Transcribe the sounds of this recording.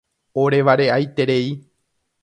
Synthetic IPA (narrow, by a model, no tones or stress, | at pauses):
o̞ɾe̞ʋaɾe̞ajt̪e̞ɾe̞i